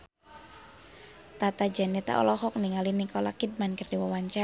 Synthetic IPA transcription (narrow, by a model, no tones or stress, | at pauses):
t̪at̪ad͡ʒanet̪a̰ʔɔ̰lɔɦɔk̚niŋalinikɔlakid̚mankərdiwawaɲt͡ʃa